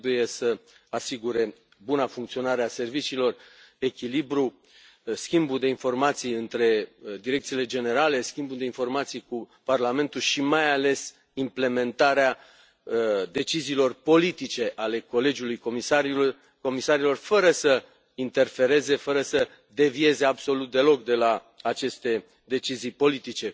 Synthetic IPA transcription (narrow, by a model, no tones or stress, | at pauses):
buje̞sə | asiɡuɾe̞ | bunafuŋk̚t̪sio̞naɾease̞rvit͡ʃiːlo̞r | e̞kʲilibɾu | skʲimbud̪e̞info̞rmat̪sijɨnt̪ɾe̞d̪iɾe̞k̚t̪sile̞d͡ʒe̞ne̞ɾale̞skʲimbud̪e̞info̞rmat̪sijku | parlame̞nt̪ulʃimajale̞s | imple̞me̞nt̪aɾea | d̪e̞t͡ʃiziːlo̞rpo̞lit̪it͡ʃe̞ʔale̞ko̞le̞d͡ʒulujkomisaɾi | ko̞misaɾilo̞rfəɾəsə | int̪e̞rfe̞ɾe̞ze̞fəɾəsə | d̪e̞vie̞ze̞abso̞lut̪̚d̪e̞lo̞k̚d̪e̞la | at͡ʃe̞st̪e̞ | d̪e̞t͡ʃizijpo̞lit̪it͡ʃe̞